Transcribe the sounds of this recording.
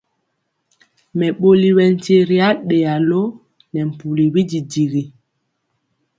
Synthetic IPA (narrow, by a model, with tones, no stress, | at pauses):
mɛ˨ɓo˦li˨wɛ˨n̩˨te˦ɾi˦a˦ɗe˨a˨lo˦ | nɛ˨m̩˨pu˨li˨wi˦d͡ʒi˨di˨ɣi˨